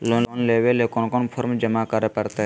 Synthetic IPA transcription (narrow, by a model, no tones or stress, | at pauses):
lonoːnleːʋelekonkonpʰəɾmd͡ʒəmakəɾeːpəɾt̪e